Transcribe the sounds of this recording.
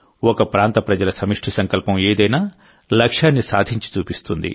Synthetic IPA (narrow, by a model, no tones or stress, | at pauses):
ɔkɐpɾaːnt̪ɐpɾɐd͡ʒɐlɐsɐmiʂʈʰisɐŋkɐlpɐmeːd̪ɐjnaː | lɐkʂaːnːisaːd̪ʱiɲt͡ʃi̥t͡ʃuːpist̪und̪ḭ